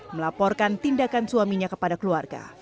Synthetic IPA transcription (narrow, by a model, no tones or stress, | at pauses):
məlapɔrkant̪indakansuamiɲakəpadakəluarɡa̰